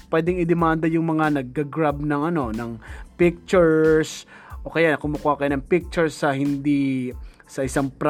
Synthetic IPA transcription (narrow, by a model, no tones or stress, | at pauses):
pwɛːd̪ɪŋɪd̪ɪmand̪ɐjʊŋmɐŋanɐɡ̚ːaɡɾab̚nɐŋɐno̞nɐŋpɪk̚t͡ʃʊɹs | ʔokɐjanɐkʊmːʊkʊakɐjanɐŋpɪk̚t͡ʃʊɹsːɐhɪnd̪i | sɐʔɪsaŋpɾ